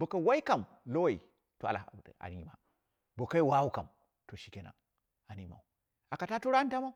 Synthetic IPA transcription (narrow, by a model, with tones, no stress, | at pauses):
bo˨ka˨wa˦i˦ka˨m | lo˦wa˨ḭ˨ | to˨˦a̰˨la̰˨a̰˨n˨˦i˨ma̰˦ | bo˨ka˦i˦wa˦wu˦ka˨m | to˨ʃi˦ke˦na̰˨ | a˨ni˦ma̰˨u˨ | a˨ka˨ta˦to˦ɾa˦ta˦ma˦u˦